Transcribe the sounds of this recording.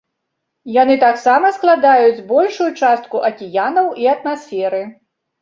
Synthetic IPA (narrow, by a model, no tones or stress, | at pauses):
janɨt̪aksamɐsklˠad̪ajud͡zʲbɔlʲʂujut͡ʂast̪̚kuʔɐkʲijanɐwiɐt̪masʲfʲɛɾɨ